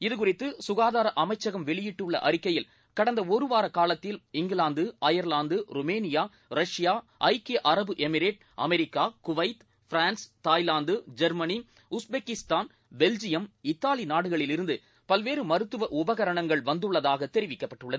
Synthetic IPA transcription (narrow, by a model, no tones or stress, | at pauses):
ɪðɯk̬ʊrɪt̪ːɯsʊɣaːðaːɾɐʔɐmɐɪt͡ʃːɐɣɐmʋɛɭɪjɪʈːɯɭːɐ̰ʔɐɾɪkːɐjɪl | kɐɽɐnd̪ɐɔɾɯʋaːɾɐkaːlɐt̪ːɪlɪŋɡɪlaːnd̪ɯʔɐjɐɾlaːnd̪ɯɾʊmeːnɪjaː | ɾɐʂɪjaː | ʔɐɪkeːʔɐɾɐbɯʔɛmɪɾeːʈ̚ | ʔɐ̰mɛɾɪkːaːkʊʋɐɪt̪ | fɾaːnst̪ːaːjlaːnd̪ɯd͡ʒɐɾmɐni | ʊsbeːkɪst̪aːn | bɛld͡ʒɪjɐmɪt̪ːaːlinaːɽɯɣɐɭɪlɪɾɯnd̪ɯ | pɐlʋeːɾɯmɐɾɯt̪ːɯʋɐʔʊbɐɣɐɾɐɳɐŋɡɐɭʋɐnd̪ɯɭːɐðaːɣɐt̪ːɛɾɪʋɪkːɐpːɐʈːɯɭːɐðɯ